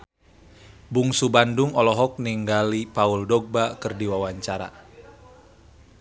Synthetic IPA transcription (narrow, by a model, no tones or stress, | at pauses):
buŋsubanduŋɔlɔɦɔk̚niŋɡalipauldɔɡ̚bakɨrdiwawaɲt͡ʃaɾa̰